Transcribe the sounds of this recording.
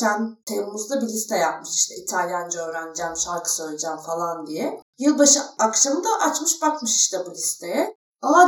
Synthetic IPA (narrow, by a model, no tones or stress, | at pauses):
sænt̪ʰejumuzd̪abilʲist̪ʰɛjap̚mɯʃiʃt̪ʰɛit̪ʰalʲjand͡ʒɛø̞ːɾænd͡ʒæːmʃalˠkʰɯ̥søjlʲed͡ʒæːmfalˠand̪ijɛjɯlˠbaʃɯakʃamɯd̪aʔat͡ʃmɯʃbakmɯʃi̥ʃt̪ʰɛbulʲist̪ʰe̞jɛ | ama